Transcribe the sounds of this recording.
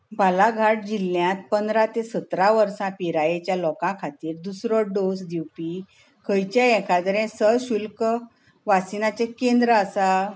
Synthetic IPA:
bʱalaɡʱaʈ̚d͡ʑilːjãt̪̚pənd̪ɾat̪esət̪ɾaʋəɾsãpiɾajet͡ɕjalɔkãkʰat̪iːɾd̪usɾɔɖosd̪iwpi | kʰəjt͡ɕaɛ̃kʰad̪ɾɛ̃səɕulkə | ʋasinat͡ɕekẽnd̪ɾəasa

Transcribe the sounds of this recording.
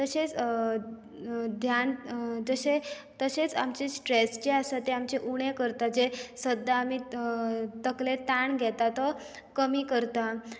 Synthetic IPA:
t̪əset͡s | d̪ʱjand͡zəse | t̪əset͡sa̰mt͡ɕesʈɾesd͡ʑeasat̪eamt͡ɕeʔuɽ̃ekəɾt̪ad͡zesəd̪ʱːaːmi | t̪əklet̪aɳɡʱɛt̪at̪ɔ | kəmiːkəɾt̪a

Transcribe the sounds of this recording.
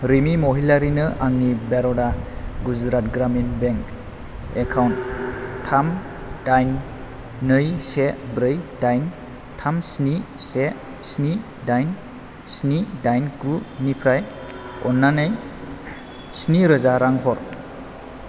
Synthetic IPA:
ɾimimoɦilaɾinɯʔaŋnibeɾɔdaɡud͡ʒɾat̚ɡɾaminbeŋk | ekʰawnttʰam | d̥ajnː | ɯjsebɾɯjdajn | tʰamsnise | sni | dajn | snidajnɡunipʰɾaj | ɔ̰nːanɯj | sniɾɯzaɾaŋɦɔɾ

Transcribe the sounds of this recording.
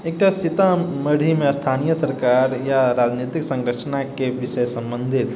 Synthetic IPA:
ek̚ʈasit̪aməɽ̤ʱimeəst̪ʰaːnijəsəɾkaɾjaɾad͡ʒnit̪iksə̃ŋɡɾət͡ʃʰnakeʋiʃəjsə̃mbə̃nd̪ʱit̪

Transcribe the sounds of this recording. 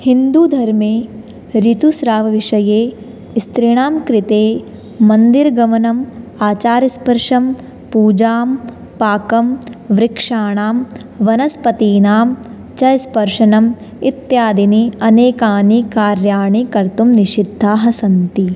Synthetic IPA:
hind̪ud̪ʱɐɾmeː | ɾit̪usɾaːʋɐʋiʂɐjeː | st̪ɾiɳ̃aːmkɾit̪eː | mɐnd̪iɾɡɐmɐnɐmaːt͡ʃaːɾɐspɐɾʂɐm | puːd͡ʒaːm | paːkɐmʋɾikʂaːɳaːm | ʋɐnɐspɐt̪iːnaːm | t͡ʃɐjspɐɾʂɐnɐm | it̪jaːd̪iniɐneːkaːnikaːɾjaːɳikɐɾt̪umniʃid̪ʱːaːɦɐsɐnt̪i

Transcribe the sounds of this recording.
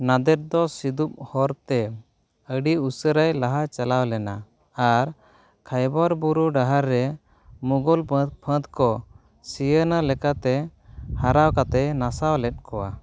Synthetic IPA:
nad̪ɛt̪̚d̪ɔsid̪up̚hɔɾt̪ɛ | əɖiusəɾajlaɦat͡ʃalawlɛnaː | ɾ | kʰajbɔɾbuɾuɖaɦaɾːɛ | muɡɔlpʰə̃t̪kɔ | sijənalɛkat̪ɛhaɾawkat̪ɛnasawlɛt̪̚ˀkɔwa̰

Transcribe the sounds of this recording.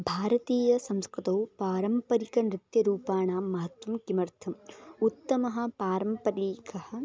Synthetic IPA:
bʱaːɾɐt̪iːjɐsɐ̃mskɾut̪ɐwpaːɾɐmpɐɾikɐnɾɪt̪jɐɾuːpaːɳaːmɐɦɐt̪ʋɐmkimɐɾt̪ʰɐmut̪ːɐmɐɦɐ̆paːɾɐmpɐɾiːkɐhɐ̆

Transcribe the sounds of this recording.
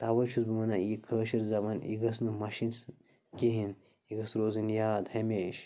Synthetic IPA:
t̪aʋɐt͡ʃʰusbimɐnajikʰəːʃiɾzɐmanḭɡɐsnɨmɐʃins | keɦin | iɡɐsɾoːzinjaːd̪hɐmeːʃ

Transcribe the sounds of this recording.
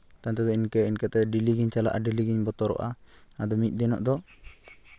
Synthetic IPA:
t̪ant̪ɛd̪ɔinkəinkət̪ɛɖiliɡiɲt͡ʃala̰ʔaɖiliɡiɲbɔt̪ɔɾɔ̰ʔa̰ad̪ɔmic̪̚ˀd̪ɛnɔ̰ʔd̪ɔ

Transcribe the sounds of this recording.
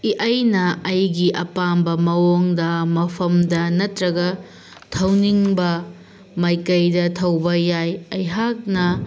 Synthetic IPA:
iʔɐjnɐɐjɡiʔɐpambɐmɐwoŋdɐmɐpʰɐmdɐnɐtɾɐɡɐ | tʰɐwniŋbɐ | mɐjkɐjdɐtʰɐwbɐjajɐjɦak̚nɐ

